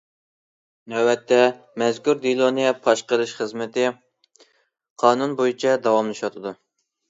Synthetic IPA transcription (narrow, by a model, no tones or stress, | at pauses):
nɛwɛt̪ʰːɛ | mɛzkʲuɾd̪ilˠonijɛpʰɑʃqəɾɨʃχəzmɪt̪ɪ | qʰɑːnunbojit͡ʃʰɛd̪ɑwɑmlˠɨʃɑt̪ʰɨd̪u